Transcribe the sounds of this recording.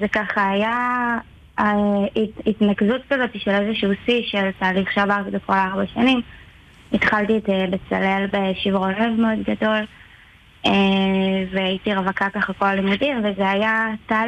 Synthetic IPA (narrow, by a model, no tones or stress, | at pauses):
zekaχaaja | itnakzutkazo̞tiʃele̞zeʃuusiʃe̞ltaːliχʃeavaʁtidokolaʁbaʃanim | it̪χalt̪itbet͡sa̰le̞lbeʃivʁo̞levmeo̞dɡado̞l | eveajitiʁavakakaχako̞lalimudimvezeajata